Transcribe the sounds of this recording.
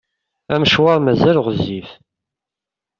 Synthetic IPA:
æməʃwɑɾˤmæzælʁzif

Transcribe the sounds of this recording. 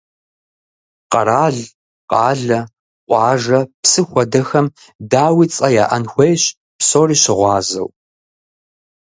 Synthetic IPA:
qɐ̰ɾaːɮ | qɑːɮɐ | qʷʼɑːʒɐpsɨxʷɔdɐxɐm | daːwiːt͡sʼɐjaːʔɐnxʷejɕ | psoːriːɕɪʁʷɑːzɐ̰w

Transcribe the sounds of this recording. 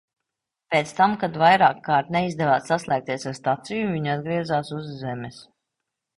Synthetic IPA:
peːt̪st̪amkad̪vajɾaːkːaːɾt̪nɛizd̪ɛvaːssaslˠʲæːk̚t̪iɛsaɾst̪at̪sijuvʲiɲad̪ɡɾiɛzaːsuzːɛmɛs

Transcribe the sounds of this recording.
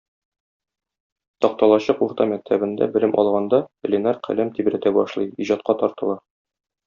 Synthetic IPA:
t̪ɒq̚t̪ɑlˠɑɕɤquɾt̪ɑmæk̚t̪ʰæbɘ̆nd̪æ̰bɘ̆lɘmʔɒ̰lˠʁɑnd̪ɑ̆lʲenɑɾqʰæ̰læmt̪ibɾæt̪æbɒʃlˠɤjiʑɑt̪qɑt̪ɒɾt̪ɤ̆lˠɑ

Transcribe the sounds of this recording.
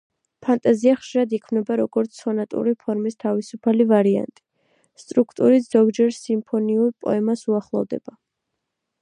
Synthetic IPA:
pʰant̪ʼaziaχʃiɾad̪ikʰmnɛbaɾɔɡɔɾt̪sʰɔnat̪ʼṵɾipʰɔɾmist̪ʰavisupʰalivaɾia̰nt̪ʼi̥ | st̪ʼɾukʰt̪ʼuɾit̪z̥ɔɡd͡ʒɛɾsimpʰɔniuɾpʼɔ̰ɛmasuaχlˠɔ̰vd̪ɛ̰b̥a

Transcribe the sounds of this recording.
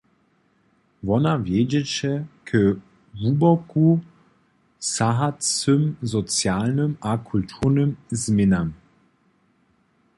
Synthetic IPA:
vɔnavjɛd͡ʑɛt͡ɕɛkʰə | ɦubɔku | saɦat͡sɨmzɔt͡sjalnɨmakʰult̪ʰuʁnəmzmɪnam

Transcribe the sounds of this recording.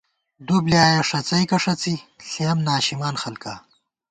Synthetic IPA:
d̪ubljaːjɐʂɐt͡sɐjkɐʂɐt͡siɬeɐmnaːɕimaːnxɐlkaː

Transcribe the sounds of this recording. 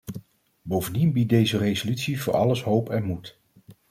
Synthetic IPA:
bowvəndinbit̚dejzərejzolytsivʊːɹʔɑ̰ləsɦowpɛnmut

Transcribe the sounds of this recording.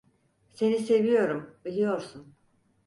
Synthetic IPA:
se̞nise̞vijo̞ɾumbilʲijo̞ɾsun

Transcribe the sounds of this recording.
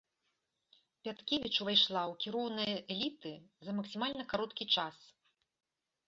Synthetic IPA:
pʲat̪kʲevʲit͡ʂuvajʂlˠawkʲiɾɔwnɨjɐʔɛlʲit̪ɨzɐmɐksʲimalʲnɐkaɾɔt̪kʲit͡ʂas

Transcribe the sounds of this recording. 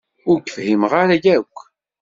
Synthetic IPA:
ʊɾkəfhimʁaɾæjækʷː

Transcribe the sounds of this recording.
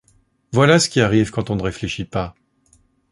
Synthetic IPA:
vwalasə̥kʲiaʁivkɑ̃t̪ɔ̃nəʁefleʃipa

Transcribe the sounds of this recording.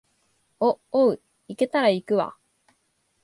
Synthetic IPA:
ooɯ̟ | ike̞t̪aɾaikɯ̟βa̰

